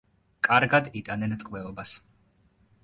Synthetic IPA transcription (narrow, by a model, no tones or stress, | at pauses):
kʼaɾɡad̪it̪ʼanɛnt̪ʼqʼvɛɔbas